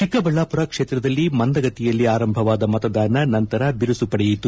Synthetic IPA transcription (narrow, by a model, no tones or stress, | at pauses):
t͡ʃikːɐbɐɭːaːpuɾɐkʂeːt̪ɾɐd̪ɐlːimɐnd̪ɐɡɐt̪ijɐlːiaːɾɐmbʱɐʋaːd̪ɐmɐt̪ɐd̪aːnɐnɐnt̪ɐɾɐbiɾusupɐɽejit̪u